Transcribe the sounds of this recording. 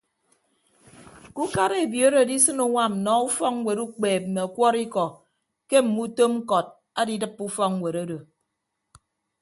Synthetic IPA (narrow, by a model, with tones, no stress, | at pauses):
ku˦ka˦ɾe˨e˨bji˨o˦ɾo˨di˦sɨ˦nu˨ŋʷa˦m̩˨nɔ˨u˦fɔ˦kŋ˦we˨ɾu˦k͡peː˨p̚m̩˨me˨ɔ˨kʷɔ˦ɾi˦kɔ˨ | ke˦m̩˨mu˦to˦m̩˦kɔ˨t̚ | a˦di˦dɨ˦pːu˦fɔ˦kŋ˦we˨ɾo˦do˨